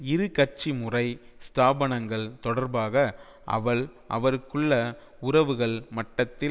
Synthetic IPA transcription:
ɪɾɯkɐʈ̚t͡ʃimɯrɐɪst̪aːbɐnɐŋɡɐɭt̪ɔɽɐɾbaːɣɐ | ʔɐ̰ʋɐɭʔɐ̰ʋɐɾɯkːɯɭːɐ | ʊɾɐʋɯɣɐɭmɐʈːɐt̪ːɪ

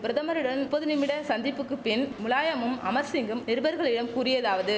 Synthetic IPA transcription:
pɪɾɐðɐmɐɾɯɽɐnpɔðɯnɪmɪɽɐsɐnd̪ɪpːɯkːɯpɪnmʊɭaːjɐmɯmɐ̰mɐɾsɪŋɡɯmnɪɾɯbɐɾɣɐɭɪɽɐmkuːrɪjɐðaːʋɐðɯ

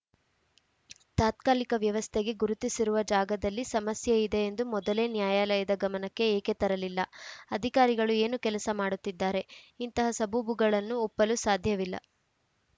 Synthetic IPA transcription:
t̪aːt̪kaːlikɐʋjɐʋɐst̪ʰeɡe̞ɡuɾut̪isiɾuʋɐd͡ʒaːɡɐd̪ɐlːisɐmɐsjɐid̪e̞ːnd̪umɔd̪ɐle̞ːnjaːjaːlɐjɐd̪ɐɡɐmɐnɐkːe̞eːke̞t̪ɐɾɐlilːɐɐd̪ʱikaːɾiɡɐɭue̞ːnukɛlɐsɐmaːɽut̪ːid̪ːaːɾe̞int̪ɐɦɐsɐbubuɡɐɭɐnːuɔpːɐlusaːd̪ʱjɐʋilːɐ̰

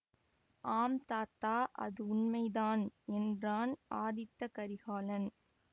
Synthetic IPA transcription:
aːmt̪aːt̪ːaːʔɐ̰ðɯʊnmɐɪðaːnɛndraːnaːðɪt̪ːɐkɐɾɪɣaːlɐn

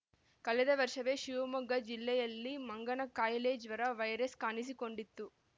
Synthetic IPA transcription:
kɐlɛd̪ɐʋɐɾʂɐʋeːʃiʋɐmuɡɐd͡ʒilːɛjɐlːimɐŋɡɐɳɐkaːjleːd͡ʒʋɐɾɐʋɐjɾɐskaːnis̬iko̞ɳɖit̪ːu

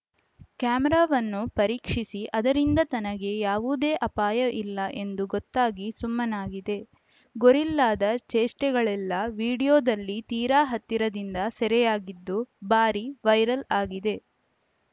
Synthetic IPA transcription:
kjaːmɛɾaːʋɐnːupɐɾiːkʂisiʔɐd̪ɐɾind̪ɐt̪ɐnɐɡe̞jaːʋuːd̪e̞ːʔɐpaːjɐʔilːɐʔe̞nd̪uɡɔt̪ːaːɡisumːɐnaːɡid̪e̞ | ɡoɾilːaːd̪ɐt͡ʃeːsʈɛɡɐɭɛlːɐʋiːɽijoːd̪ɐlːit̪iːɾaːɦɐt̪ːiɾɐd̪ind̪ɐsɛɾɛjaːɡid̪ːubaːɾiʋɐjɾɐlaːɡid̪e̞

